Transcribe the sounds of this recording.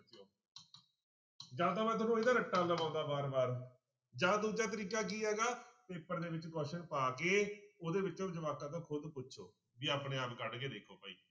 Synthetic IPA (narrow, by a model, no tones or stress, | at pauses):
t͡ʃoː | d͡ʒaːd̪aːmɛ̃ːt̪̬ʊnũːeːd̪aːnəʈːaːlaːbãːd̪aːbaːɾbaːɾ | d͡ʒãːd̪uːd͡ʒaːt̪̬əɾiːkaːk̬iːɦɛːɡaːpeːpəɾd̪eːʋɪt͡ʃɡɔːʃəɳpaːkeːoːd̪eːʋɪt͡ʃõːd͡ʒəʋaːkãːt̪ãːkʰʊd̪pʊtːʃʰo̰ː | biːaːpɳẽːaːpkəɖkeːd̪eːkʰo̰ːpaːḭː